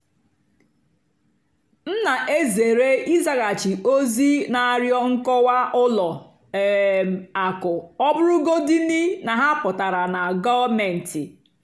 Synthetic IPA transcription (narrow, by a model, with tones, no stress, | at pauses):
n̩˦na˨ʔe˦ze˨ɾe˦i˦za˦ka˨t͡ʃi˨o˦zi˦na˨ɾjɔ˦ŋ̩˦kɔ˦wa˦ʔʊ˦lɔ˨ | a˨kʊ˨ɔ˦bʊ˦ɾʊ˦ɡo˦di˦ni˦na˨ɦa˦pʊ˨ta˨ɾa˨na˨ɡɔ˦vme˨n̩˨tɪ˨